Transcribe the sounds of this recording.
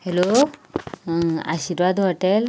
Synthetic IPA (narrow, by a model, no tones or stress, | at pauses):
helo | a̰siɾʋad̪ɦɔʈel